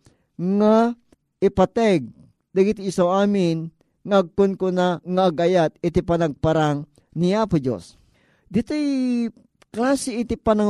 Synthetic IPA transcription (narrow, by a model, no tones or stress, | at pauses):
ŋa | ʔipat̪ɛɡ̚ | d̪aɡit̪iːsawaːmɪn | ŋaʔɐɡ̚kʊnkʊnaŋaːɡʔajat̪̚ɪt̪ipanaɡ̚paɾaŋ | niaːpʊd͡ʒo̰s | d̪ɪt̪oj | klaːsɪɪt̪ipana